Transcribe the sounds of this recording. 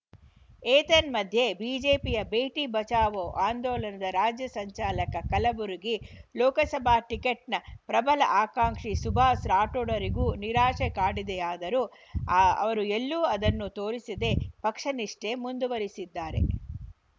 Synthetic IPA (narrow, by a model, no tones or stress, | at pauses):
eːt̪ɐnmɐd̪ʱje̞biːd͡ʒe̞ːpijɐbeːʈibɐt͡ʃaːʋoːʔaːnd̪ɔːlɐnɐd̪ɐɾaːd͡ʒjɐsɐɲt͡ʃaːlɐkɐkɐlɐbuɾuɡilɔːkɐsɐbʱaːʈikeʈnɐpɾɐbɐlɐ̰ʔaːkaːŋkʂisubʱaːsɾaːʈoɽɐɾiɡuːniɾaːʂekaːɽid̪eaːd̪ɐɾuː | ɐ̰ʋɐɾuelːuːɐd̪ɐnːut̪o̞ːɾisid̪e̞pɐkʂɐniʂʈe̞mund̪uʋɐɾisid̪ːaːɾe̞̰